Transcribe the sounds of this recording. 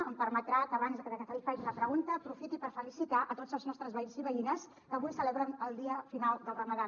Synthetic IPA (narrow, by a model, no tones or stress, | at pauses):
əmpəɾmət̪ɾakəβanzðəkəðəɣəfaifaʒuləpɾəɣunt̪əːpɾufit̪ipəɾfəlisit̪aʔət̪otzəlˠznɔst̪ɾəzβəinziβəinəs | kəβujsəlɛβɾənəlˠd̪iəfinalˠd̪əlˠrəməða